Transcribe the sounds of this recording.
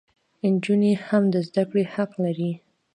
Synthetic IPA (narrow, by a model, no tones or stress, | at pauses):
ɪnd͡ʒunehamd̪əzd̪akɽehaqlaɾi